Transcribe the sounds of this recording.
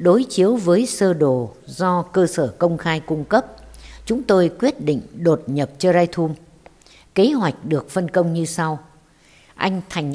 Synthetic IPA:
ɗo˨˦jt͡ɕi˨˦əwvəː˨˦jsəː˧ɗo˧˩zɔ˧kəː˧səː˧˩kə˧wŋ͡mxaː˧jkʊ˧ŋ͡mkə˦˥p̚t͡ɕʊ˨˦ŋ͡mt̪o˧jkwi˦˥ət̚ɗḭ˧˨ŋ̟ɗo˨˩t̚ɲə˨˩p̚t͡ɕɔ˧zaː˧jt̪ʰu˧m | ke˨˦ɦwa˨˩jk̟̚ɗɨ˨˩ək̚fə˧nkə˧wŋ͡mɲɨ˧sa˧w | ʔa˧jŋ̟t̪ʰa˨˩jŋ̟

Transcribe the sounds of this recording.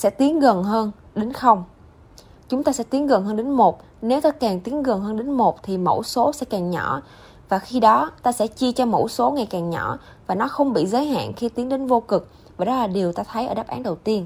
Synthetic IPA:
sɛ̰˧˥t̪i˨˦ənɣə˨˩nɦəː˧n | ɗe˨˦nxə˧wŋ͡m | t͡ɕʊ˨˦ŋ͡mt̪aː˧sɛ̰˧˥t̪i˨˦ənɣə˨˩nɦəː˧nɗe˨˦nmo˨˩t̚ | ne˨˦wt̪aː˧kaː˨˩ŋt̪i˨˦ənɣə˨˩nɦəː˧nɗe˨˦nmo˨˩t̚t̪ʰi˨˩mo̰˧˥˩so˨˦sɛ̰˧˥kaː˨˩ŋɲɔ̰˧˩˥ | vaː˨˩xi˧ɗɔ˨˦t̪aː˧sɛ̰˧˥t͡ɕi˧t͡ɕɔ˧mo̰˧˥˩so˨˦ŋa˨˩jkaː˨˩ŋɲɔ̰˧˩˥ | vaː˨˩nɔ˨˦xə˧wŋ͡mɓḭ˧˨zəː˨˦jɦa̰ː˧˨nxi˧t̪i˨˦əŋɗe˨˦nvo˧kɨ˨˩k̚ | vaː˨˩ɗɔ˨˦laː˨˩ɗi˨˩əwt̪aː˧t̪ʰə˨˦jʔəː˧˩ɗa˦˥p̚ʔaː˨˦nɗə˨˩wt̪i˧ən

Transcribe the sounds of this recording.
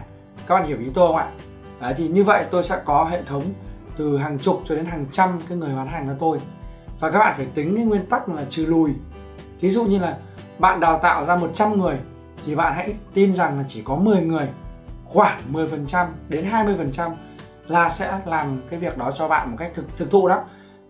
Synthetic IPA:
ka˦˥k̚ɓa̰ː˧˨hi˧˩wʔi˨˦t̪o˧wɓa̰ː˧˨ | ʔə˨˩t̪ʰi˨˩ɲɨ˧və̰˧˨jt̪o˧jsɛ̰˧˥kɔ˨˦ɦḛ˧˨t̪ʰə˨˦wŋ͡mt̪ɨ˨˩ɦaː˨˩ŋt͡ɕʊ˨˩k͡p̚t͡ɕɔ˧ɗe˨˦nɦaː˨˩ŋt͡ɕa˧mkaː˨˦jŋɨ˨˩əjɓaː˨˦nɦaː˨˩ŋʔə˨˧˦t̪o˧j | vaː˨˩kaː˦˥ɓa̰ː˧˨˩faː˧˩jt̪ï˨˦ŋ̟kɨ˨˦ŋwi˧ənt̪a˦˥k̚laː˨˩t͡ɕɨ˨˩lu˨˩j | vi˨˦zṵ˧˨ɲɨ˧laː˨˩ | ɓa̰ː˧˨nɗaː˨˩wt̪a̰ː˧˨wzaː˧mo˨˩t̚t͡ɕa˧mŋɨ˨˩əj | t̪ʰi˨˩ɓa̰ː˧˨nɦa̰˧˥jt̪i˧nza˨˩ŋlaː˨˩t͡ɕi˧˩kɔ˨˦mɨ˨˩əjŋɨ˨˩əjxwaː˧˩ŋmɨ˨˩əjfə˨˩nt͡ɕa˧mɗe˨˦nɦaː˧jmɨ˧əjfə˨˩nt͡ɕa˧m | laː˨˩sɛ̰˧˥laː˨˩mkaː˨˦jvi˨˩ək̚ɗɔ˨˦t͡ɕɔ˧ɓa̰ː˧˨nmo˨˩t̚ka˦˥jk̚t̪ʰɨ˨t̪ʰɨ˨˩k̚t̪ʰṵ˧˨ɗɔ˨˦

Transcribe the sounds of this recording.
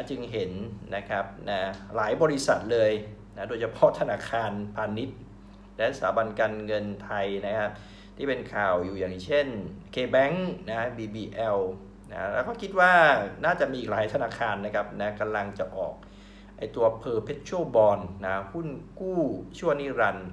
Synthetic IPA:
a˧˩t͡ɕɯ˧ŋɦe˩˦nna˦˥kʰa˦˥p̚na˦˥laː˩˦jbɔː˧ɾi˦˥sa̰˨˩t̪̚lɤː˧j | na˦˥doː˧jt͡ɕʰa˧pʰɔ˦˥t̪ʰa˧naː˧kʰaː˧npʰaː˧ni˦˥t̪̚ | lɛ˦˥sa̰ː˩˦ba˧nkaː˧nŋɤ˧nt̪ʰa˧jna˦˥kʰa˦˥p̚ | t̪ʰiː˥˩pe˧nkʰaː˨˩wjuː˨˩jaː˨˩ŋt͡ɕʰe˥˩nkʰeː˧bɛ˦˥ŋna˦˥biː˧biː˧ʔɛ˧w | na̰˦˥lɛː˦˥wkʰɔː˥˩kʰi˦˥t̪̚waː˥˩naː˥˩t͡ɕa˨˩ʔmiː˧ʔiː˨˩k̚laː˨˩˦jt̪ʰa˧naː˧kʰaː˧nːa˦˥kʰa˦˥p̚na˦˥ka˧mla˧ŋt͡ɕa˨˩ʔɔː˨˩k̚ | ʔa˧jt̪u˧ɐpʰɤː˧pʰe˦˥t̪̚t͡ɕʰu˥˩bɔː˧nːa˦˥hu˥˩nkuː˥˩t͡ɕʰu˥˩əŋniː˥˩ɾa˧n

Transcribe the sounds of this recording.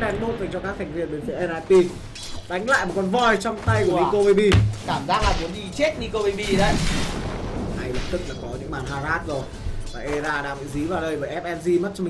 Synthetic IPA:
ɛ˧nɓo˦˥t̚va˨˩t͡ɕɔ˧kaː˦˥k̚hɛ˨˩ŋ̟vḭ˧˩ənɓe˨˦nfi˨˦ʔɛ˧nʔaː˧jt̪i˧ | ɗa˨˦jŋ̟la̰ː˧˨jmo˨˩t̚kɔ˧nvɔ˧˩jt͡ɕɔ˧wŋ͡mt̪a˧jku˩ni˧ko˧ɓi˧ɓi˧kaː˧˩mzaː˦˥k̚laː˨˩vu˨˦əni˧t͡ɕe˦˥t̚ni˧ko˧ɓi˧ɓi˧ɗə˧j | ʔa˧jlɨ˨˦˥p̚t̪ɨ˦˥k̚laː˨˩kɔ˨˦ɲɨ̰˧˥ŋɓaː˨˩nɦaː˧˩zaː˦˥t̚zo˨˩jvaː˨˩ʔe˧zaː˧ɗa̰ː˧˥vḭ˧˨zi˨˦vaː˨˩wɗə˧jvəː˧˩ʔɛ˦˥p̚ʔɛ˧nzi˧m˦˥t̚t͡ɕɔ˧mi˨

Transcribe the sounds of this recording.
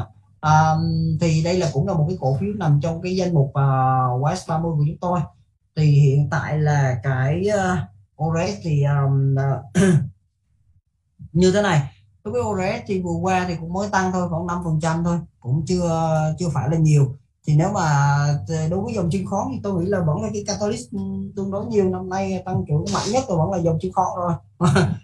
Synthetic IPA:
ʔəː˨˩t̪ʰi˨˩ɗə˧jlaː˨˩kʊ̰˧˥ŋ͡mlaː˨˩mo˨˩t̚kaː˨˦jko̰˧˩fi˨˦əwna˨˩mt͡ɕɔ˧wŋ͡mkaː˨˦jza˧jŋ̟mʊ˨˩k͡p̚vaː˨˩wwɛː˨˦˥sɓaː˧mɨ˧jku˧˩t͡ɕʊ˨˦ŋ͡mt̪o˧j | t̪ʰi˨˩hḭ˧˨ənt̪a̰ː˧˨jlaː˨˩kaː˧˩j | ʔo˧zɛ˦˥s̚t̪ʰi˨˩ʔəː˨˩mː˨˩ | ɲɨ˧t̪ʰe˨˦na˨˩j̪ | o˨˦jvə˨˦jʔo˧za˧ɛ˦˥s̚t̪ʰi˨˧˩vɨ˨˩əkwaː˧t̪ʰi˨˩kʊ̰˧˥ŋ͡mməː˨˦jt̪a˧ŋt̪ʰo˧jxɔ˧˩˦nna˧mfə˨˩nt͡ɕa˧mt̪ʰo˧jkʊ̰˧˥ŋ͡mt͡ɕɨ˧ət͡ɕɨ˧əfaː˧˩jlaː˨˩ɲi˨˩əw | t̪ʰi˨˩ne˨˦wmaː˨˩˨ɗo˨˦jvəː˨˦jzə˨˩wŋ͡mt͡ɕi˧nxɔ˨˦t̪ʰi˨˩t̪o˧jŋḭ˧˥laː˨˩və̰˧˥nlaː˨˦k̬aː˨˦jkaː˧t̪a˧li˦˥t̚t̪ɨ˧əŋɗo˨˦jɲi˨˩əwna˧mna˧jt̪a˧ŋt͡ɕu˧˩˦ma̰ː˧˨ŋɲə˦˥t̚t̪o˧jvə˧˥nlaː˨˩zə˨˩wŋ͡mt͡ɕi˧ənxɔ̰˧˩zo˧˩˧

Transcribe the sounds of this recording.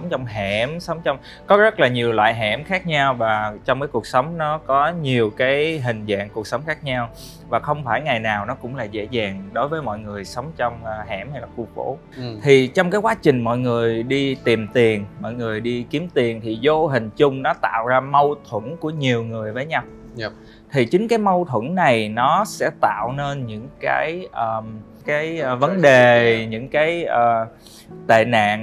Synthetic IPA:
wŋ͡mt͡ɕɔ˧wŋ͡mɦɛ˧˩msə˨˦wŋ͡mt͡ɕɔ˧wŋ͡m | kɔ˨˦zə˦˥t̚laː˨˩ɲi˨˩əwlwa̰ː˧˨jɦɛ˧˩mxaː˦˥k̚ɲa˧wvaː˨˩t͡ɕɔ˧wŋ͡mkaː˨˦jku˨˩ək̚sə˨˦wŋ͡mnɔ˨˦kɔ˨˦ɲi˨˩əwkaː˨˦jɦï˨˩ŋ̟za̰ː˧˨ŋku˨˩ək̚sə˨˦wŋ͡mxaː˦˥k̚ɲa˧w | vaː˨˩xə˧wŋ͡mfaː˧˩jŋa˨˩jnaː˨˩wnɔ˨˦kʊ̰˧˥ŋ͡mla̰ː˨˩zḛ˧˥zaː˨˩ŋɗo˨˦jvəː˨˦jmɔ̰˧˨jŋɨ˨˩əjsə˨˦wŋ͡mt͡ɕɔ˧wŋ͡mɦɛ˧˩mha˧jlaː˨˩kṵ˧˩fo̰˧˥ | t̪ʰi˨˩t͡ɕɔ˧wŋ͡mkaː˨˦jkwaː˨˦t͡ɕï˨˩ŋ̟mɔ̰˧˨jŋɨ˨˩əjjɗi˧t̪i˨˩mt̪i˨˩ənmɔ̰˧˨jŋɨ˨˩əjɗi˧ki˨˦əmt̪i˨˩ənt̪ʰi˨˩zo˧ɦï˨˩ŋ̟t͡ɕʊ˧ŋ͡mnɔ˨˦t̪a̰ː˧˨wzaː˧mə˧wt̪ʰwə˧˩nku˧˩əɲi˨˩əwŋɨ˨˩əjvəː˨˦jɲa˧w | t̪ʰi˨˩t͡ɕï˨˦ŋ̟kaː˨˦jmə˧wt̪ʰwə˧˩˥nna˨˩jnɔ˨˦sɛ̰˧˥t̪a̰ː˧˨wne˧nɲɨ̰˧˥ŋka̰ː˨˦jʔəː˨˩m | kaː˨˦jvə˨˦nɗe˨˩ɲɨ̰˧˥ŋkaː˨˦jʔəː˨˩ | t̪ḛ˧˨na̰ː˧˨ŋ

